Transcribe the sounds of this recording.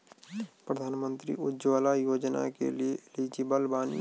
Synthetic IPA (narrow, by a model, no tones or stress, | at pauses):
pɾəd̪ʱaːnmə̃nt̪ɾḭʊd͡ʒwaːlajoːd͡ʒna̰kḛlieliːd͡ʒibəlbaːnḭ